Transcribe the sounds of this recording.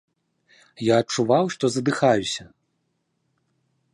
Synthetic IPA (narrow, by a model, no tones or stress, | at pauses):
jaɐt͡ʂːuvawʂt̪ɔzɐd̪ɨxajusʲɐ